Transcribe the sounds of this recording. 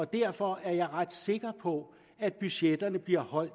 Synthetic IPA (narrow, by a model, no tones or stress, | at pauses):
ɒ̽d̥æɐ̰fɒ̽æɐjɑ̈ɪʁɑd̥se̝ɡ̥ɐpʰɒ̽ | æd̥̚b̥yɕed̥ɐnəb̥liɐ̰hɒ̽l̰d̥